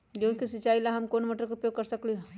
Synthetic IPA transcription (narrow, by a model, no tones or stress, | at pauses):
d͡ʒoːnkisit͡ʃaːilaɦɐmkoːnməʈəɾkopjoːɡ̚kɐɾsəkli